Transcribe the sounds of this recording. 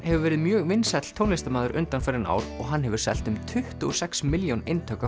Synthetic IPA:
hɛvʏɾvɛːɾɪðmjœːɣvɪnsɛt̪l̥t̪ʰoːwnlɪst̪amaːðʏɾʔʏ̰nt̪anfɛɾɪna̰ːwɾɔɣɦanːɦɛvʏɾ̥sɛ̰l̥t̪ʏmt̪ʰʏht̪uɔsɛksmɪljownejnt̪ʰœka

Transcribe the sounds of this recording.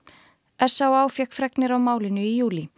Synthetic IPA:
ɛ̥sawaːwfjɛkfɾɛknɪɾawmaːwlɪnʏijuːli

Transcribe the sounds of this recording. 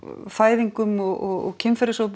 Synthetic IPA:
faːjðiŋkʏmɔɣɔɣɔ̰cʰɪmfɛɾɪsowp

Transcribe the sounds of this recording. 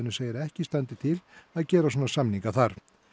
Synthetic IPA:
ɪnʏseːjɪɾɛhcɪst̪ant̪ɪt̪ʰɪlaðcɛːɾas̬ɔːnasamniŋkaθaɾ̥

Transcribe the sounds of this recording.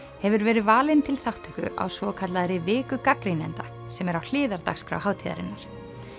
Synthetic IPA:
hɛvʏɾvɛːɾɪðvaːlɪnt̪ʰɪlθawht̪ʏkʏ̰ʔa̰wsvɔkʰat̪laðɾɪvɪːkʏkakɾijnɛnt̪a | sɛmɛɾawl̥ɪːðaɾt̪a̰xskɾa̰wɦaːwt̪ʰiða̰ɾɪ̰nːaɾ̥

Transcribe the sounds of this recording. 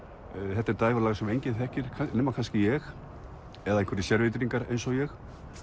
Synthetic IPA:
θɛht̪ɛɾt̪aːjɣɔɾlaːɣsɛmejɲcɪθɛhcɪɾ̥kʰanɛːmakʰanscɪjɛx | ɛðaẽjŋ̥kvɛɾɪsjɛɾvɪt̪ɾiŋkaɾḛjnsɔɣjɛx

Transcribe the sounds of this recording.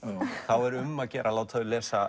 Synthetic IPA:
θawɛɾʏmːaðcɛːɾʔalaːwt̪ʰaðʏlɛːsa

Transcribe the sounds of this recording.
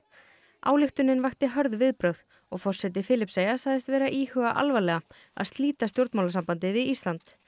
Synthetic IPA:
ʔa̰ːwlɪxt̪ʏnːɪnvajxt̪ɪɦœɾðvɪðpɾœwð | ɔɣfɔr̥sɛt̪̬ɪfɪːlɪpseːjasaːɣðɪst̪vɛːɾaʔiːhʏɣa̰ʔa̰lvalɛɣa | a̰ðst̪liːt̪ast̪jowɾt̪mawlasampant̪ɪvɪðist̪lant̪

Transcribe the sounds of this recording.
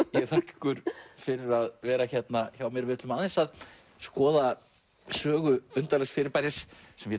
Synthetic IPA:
jɛɣθʰahkɪ̥kʏɾ̥fɪɾɪɾaðvɛːɾaçɛt̪naçawmjɛɾvɪðɪt̪lʏmaːðɪnsað | skɔːða | sœːɣʏʏnt̪alɛxsfɪɾɪɾpajɾɪsːɛmjɛ

